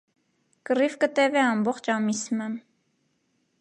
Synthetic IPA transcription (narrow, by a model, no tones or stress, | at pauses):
kəɾivkət̪ɛvɛɑmbɔχt͡ʃʰɑmisməm